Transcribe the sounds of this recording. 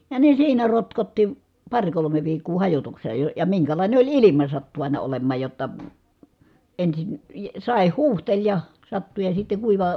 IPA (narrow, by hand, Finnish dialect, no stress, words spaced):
jɑ ne siːnæ rotkotːi pɑrʲ kolome ʋiːkːuː hɑjotukse ə jɑ miŋkælɑˑine olʲ ilimɑ sɑtːu ɑˑinɑ olemˑɑːj jotːɑ ensin sɑˑeh huːhtelʲ jɑ sɑtːu jɑ sitːe kuiʋɑ